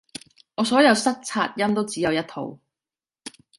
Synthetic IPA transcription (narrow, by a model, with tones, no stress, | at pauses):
ŋɔː˨˧sɔː˨˥jɐ˨˧wsɐ˥k̚t͡sʰa̰ː˧t̚jɐ˥mt̪o˥wt͡siː˨˥jɐ˨˧wjɐ˥t̚t̪ʰo̰˨w